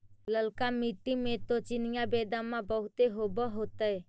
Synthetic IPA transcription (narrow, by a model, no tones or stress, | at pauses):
ləlkamiʈːimẽt̪ot͡ʃɪnɪjãbeːd̪ãmãbəɦʊt̪eɦoːbəɦoːt̪ae